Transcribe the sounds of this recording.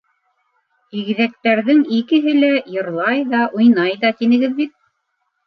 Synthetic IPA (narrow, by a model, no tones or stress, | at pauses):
iɣ̆ðæk̚t̪æɾðɘŋikɘ̆ɦɘlæjɤ̆ɾlˠɑjðɑʔujnɑjðɑt̪inɘ̆ɡɘðbit̪̚